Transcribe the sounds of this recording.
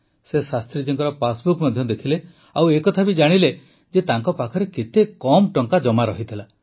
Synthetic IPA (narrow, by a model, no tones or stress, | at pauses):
sesast̪ɾid͡ʒeŋkɔɾɔpasbukmɔd̪ʱjɔd̪ekʰile | awekɔt̪ʰabid͡ʒaɽ̃ile | d͡ʒet̪aŋkɔpakʰɔɾeket̪ekɔmʈɔŋkad͡ʒɔmaɾɔɦit̪ʰila